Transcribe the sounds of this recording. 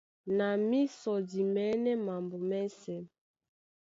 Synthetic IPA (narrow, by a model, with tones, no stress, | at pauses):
na˨mi˦sɔ˨di˨mɛ˦nɛ˦ma˨mbo˨mɛ˦sɛ˨